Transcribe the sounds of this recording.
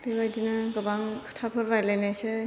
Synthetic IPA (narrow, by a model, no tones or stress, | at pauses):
bebajdinɯɡɯbaŋkʰɯ̥tʰapʰɯɾːajlajnajse